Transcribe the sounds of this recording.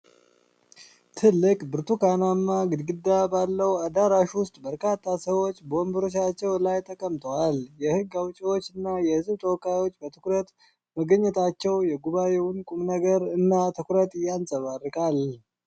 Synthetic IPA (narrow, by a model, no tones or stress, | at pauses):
t̪ʰɨlːɨkʼbɨɾt̪ʰukʰanamːaɡɨd̪ɡɨd̪ːabalːəwad̪aɾaʃwʊst̪ʼbəɾkʰat̪ʰʼːasəwo̞t͡ʃːbəwɔmbɨɾot͡ʃat͡ʃːɛwlajt̪ʼəkʼːəmt̪ʰəwaljɛhɨɡːawt͡ʃʼiwo̞t͡ʃːɨnːajɛhɨzbt̪ʼəwkʼajwo̞t͡ʃːbət̪ʰɨkɾət̪ | məɡəɲːɛt̪ʰat͡ʃːɛwjɛɡuβajewʊnkʼumnəɡəɾɨnːat̪ʰɨkɾət̪ʼjansʼəβarːɨkʼal